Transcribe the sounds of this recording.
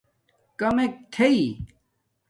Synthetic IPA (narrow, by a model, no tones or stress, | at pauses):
kɐmek̚t̪ʰei